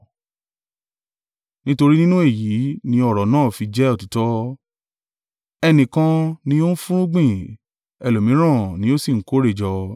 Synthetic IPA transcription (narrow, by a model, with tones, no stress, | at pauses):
nĩ˦to˧ɾi˦nĩ˦nũ˦e˦˨jiː˨˦nĩ˧˦ɔ˦˨ɾɔ˨nãː˦˨fi˧d͡ʒɛ˦ɔ˦˨ti˨˦tɔ˦ | ɛ˧nĩ˨kã˧nĩ˧jo˦n̩˦fũ˦ɾ̃ũ˦ɡ͡bĩ˦˨ | ɛ˨lo˨mĩ˨˦ɾ̃ã˦˨nĩ˨˦o˦si˦˨ŋ̩˦ko˦ɾe˦˨d͡ʒɔ˧